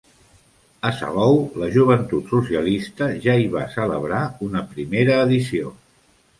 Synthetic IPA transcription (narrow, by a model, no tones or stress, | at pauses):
əsə̰βɔwləʒuβ̞ənt̪ut̪susiəlist̪əʒaiβasələβɾaunəpɾimeɾəːðisio